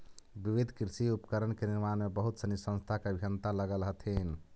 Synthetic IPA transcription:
biʋid̪ʱkɾisiupəkəɾənkeniɾmanmebəɦut̪sənisə̃nst̪ʰakeəbʱijənt̪aləɡəlɦət̪ʰin

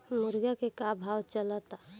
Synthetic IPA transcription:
mʊɾɡakekabʱawt͡ʃəlat̪a

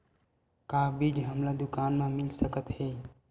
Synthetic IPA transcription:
kabid͡ʒɦəmlad̪ʊkaːnmẽmilsəkət̪ɦe

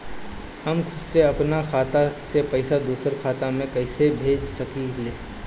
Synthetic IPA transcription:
hɐmkʰʊdseɐpnakʰaːt̪asepɐɪsad̪uːsəɾkʰaːt̪amẽkɐɪsebʱeːd͡ʒsɐkileː

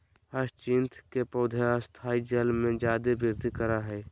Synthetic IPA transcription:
əst͡ʃɪ̃nt̪kepoːd̪ʱaast̪ʰaːid͡ʒəlmẽd͡ʒaːd̪ebɪɾd̪ikəɾaɦɛː

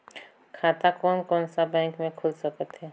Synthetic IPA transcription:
kʰaːt̪akɔːnkɔːnsabɛ̃ːŋkmẽkʰʊlsəkət̪ɦɛː

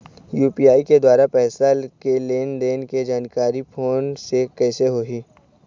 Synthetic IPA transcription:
juːpijaːiked̪waːɾapɛːslakeleːnd̪eːnked͡ʒaːnkaːɾipʰoːnsekɛːseɦoːɦiː

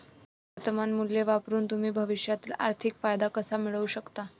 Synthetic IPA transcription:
ʋəɾt̪əmanmuljeʋapɾuːnt̪um̤iːbʱəʋiɕjat̪iːla̰ɾt̪ʰikfajd̪akəsamiɭəuɕəkt̪a

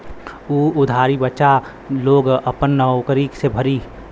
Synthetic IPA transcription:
uːʊd̪ʱaːɾibət͡ʃa | loːɡəpənːəokəɾiːksebʱəɾi

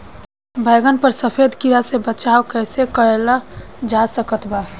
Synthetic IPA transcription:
bʱəːɡənpəɾsəpʰed̪kiɾasebət͡ʃaːokɛːsekəelad͡ʒasəkət̪baː

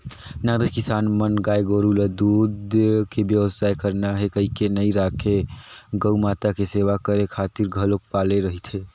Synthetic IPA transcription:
naːd̪əd͡ʒkɪsaːnmənɡaːjɡoːɾulad̪uːd̪kebjəʋsaːjkəɾnaɦekəɦikenəiɾaːkʰeɡəmaːt̪akeseːʋakəɾekʰaːt̪iɾɡʱəlok̚paːleɾəɦit̪ʰe

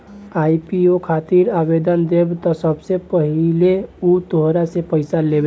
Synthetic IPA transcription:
aːipiokʰat̪iɾabed̪ənd̪ebt̪ɔsəbsepəɦileut̪oɦɾasepəɪsalebe

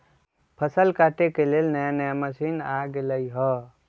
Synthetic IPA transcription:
pʰəsəlkaʈekelelnəjanəjaməsinaɡeləiɦɔ

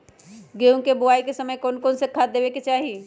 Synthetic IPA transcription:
ɡeũkeboaikesəməjkonkonsekʰad̪ebeket͡ʃaɦi

